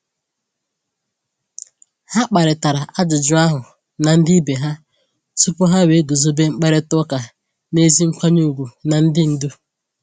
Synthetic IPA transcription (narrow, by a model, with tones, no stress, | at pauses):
ha˦k͡pa˨ɾɪ˨ta˨ɾa˨ʔa˦d͡ʒʊ˨d͡ʒʊ˦a˦ɦʊ˨ | na˨n̩˦di˦be˨ɦa˦ | su˦pʊ˦ɦa˦we˨˦do˨zo˦be˦ŋ͡m̩˦k͡pe˦ɾɪ˦tʊ˦ka˨ | ne˦zi˦ŋ̩˦kʷa˦ɲu˦˨ɡʷu˨na˨n̩˦dɪ˦n̩˦du˦